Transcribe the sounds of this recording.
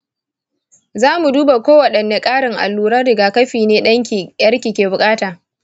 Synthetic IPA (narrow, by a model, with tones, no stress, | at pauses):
zaː˦mu˨duː˦ba˨kʷoː˦wɐ˨ɗɐ˨nːe˨˦kʼaː˦ɽɪ˨ŋʔa̰˨lːuː˨ɾɐ˦rːɪ˨ɡaː˨kɐ˦ɸiː˨neː˦ɗɐ˦ŋkʲːjɐ˦rkʲiː˨kʲeː˨bʊ˨kʼaː˦taː˨